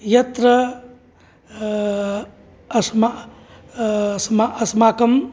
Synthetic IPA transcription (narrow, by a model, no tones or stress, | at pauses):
jɐt̪ɾɐ | ɐsma | smaɐsmaːkɐm